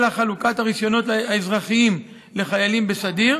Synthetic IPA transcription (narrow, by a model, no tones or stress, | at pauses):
laχalukathaʁiʃjo̞no̞taezʁaχiim | le̞χajalimbesadiʁ